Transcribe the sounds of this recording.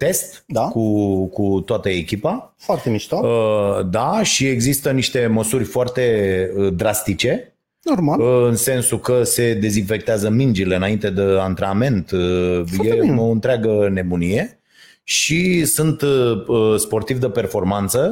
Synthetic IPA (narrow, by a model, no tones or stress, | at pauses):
t̪e̞st̪d̪akukut̪oat̪əekʲipa | foart̪emiʃt̪oəd̪aʃie̞ɡzist̪əniʃt̪e̞məsurʲfoart̪e̞əd̪ɾast̪it͡ʃe̞ | normalɨnse̞nsukəse̞d̪e̞zinfe̞k̚t̪eazəmind͡ʒile̞ɨnaint̪e̞d̪eant̪ɾeame̞nt̪jeoɨnt̪ɾeaɡəne̞munije̞ | ʃisunt̪əspo̞rt̪ivd̪əpe̞rfo̞rmant̪sə